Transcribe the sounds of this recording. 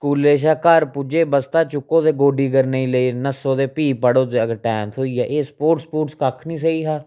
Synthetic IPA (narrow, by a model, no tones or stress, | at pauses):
kuːleːʃaːkəɾpʊd͡ʒeːbəst̪aːt͡ʃʊkːõːd̪eːɡoːɖiːɡəɾneiːləiːnəsːõːd̪eːpiːpəɽoːd͡ʒ̪eːəɡəɾʈɛːnt̪ʰɦoːiːɛːʔeːspoːʈspoːʈskəkʰnĩːs̬əiːɦaː